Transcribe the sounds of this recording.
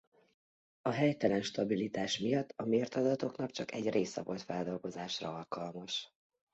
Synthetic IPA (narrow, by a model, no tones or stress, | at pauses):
ɒɦɛjt̪ɛlɛnʃt̪ɒbilit̪aːʃmijɒt̪ːɒmeːrt̪ɒd̪ɒt̪o̞knɒk̚t͡ʃɒkɛɟrʔeːsɛvo̞lt̪fɛld̪o̞lɡo̞zaːʃrɒ̰ɒlkɒlmɒʃ